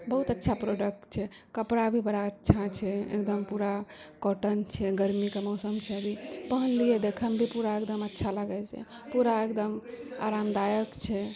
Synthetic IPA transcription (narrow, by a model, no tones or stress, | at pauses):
bəɦut̪ətːʃʰapɾoɖək̚ʈt͡ʃʰɛkəpɽabʱibəɽaətːʃʰat͡ʃʰɛḛkd̪əmpuɾakoʈənt͡ʃʰɛɡəɾmikemɔsəmt͡ʃʰɛəbʱipəɦənlijed̪ekʰəmbʱipuɾaekd̪əmətːʃʰaləɡɛt͡ʃɛ̰ | puɾaekd̪əma̰ɾamd̪ajəkt͡ʃʰɛ